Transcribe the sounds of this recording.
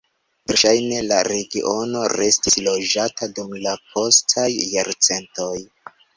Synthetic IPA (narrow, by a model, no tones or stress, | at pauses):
veɾʃajne̞laɾe̞ɡiʔo̞no̞ɾe̞stislo̞d͡ʒatʰadumlako̞stʰajːaɾt͡se̞nto̞j